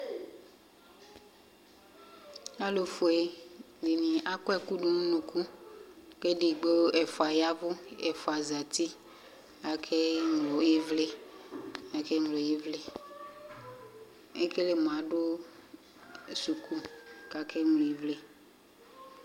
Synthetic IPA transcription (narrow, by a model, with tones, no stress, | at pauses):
a˦lo˨fo˨e˨ | di˨nĩ˨a˦kɔ˦ɛ˦ku˦ɖo˨nũ˦nũ˨ku˦ke˦ɖi˨ɡ͡bo˦ɛ˨fɔ˨a˨ja˦vo˦ɛ˨fo˨a˨za˨t̪i˦ | a˨kʰe˦ŋlo˨je˦vle˦ | a˨ke˦ŋlo˨ji˦vle˦ | e˦ke˦le˨m˨ã˨ɖo˦˨ | su˨kʰu˦ka˨kʰe˦ŋlo˨i˨vle˦